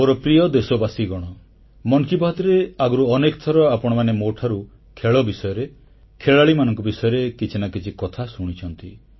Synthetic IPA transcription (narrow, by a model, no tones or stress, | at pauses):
moɾɔpɾijɔd̪esobasiɡɔɽ̃ɔ | mɔŋkibaɦɔt̪ɾeaɡɔɾuɔnekɔt̪ʰɔɾɔapɔɽ̃ɔmanemoʈʰaɾu | kʰeɭɔbisɔjɔɾe | kʰeɭaɭimanɔŋkɔbisɔjɔɾekit͡ʃʰinakit͡ʃʰikɔt̪ʰasuɽ̃it͡ʃʰɔnt̪i